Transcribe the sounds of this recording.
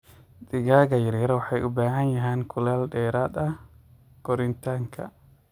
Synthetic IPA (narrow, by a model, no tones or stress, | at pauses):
d̪ɪɣaːɣɐjɐɾjɐɾɐwɑħɑjʊbaːɦɐnjɐɦɛːŋkʰʊlaːlɖɛːɾaːd̪ɐ | ɡ̥ɔɾɪnt̪ʰaːŋkʰɐ̰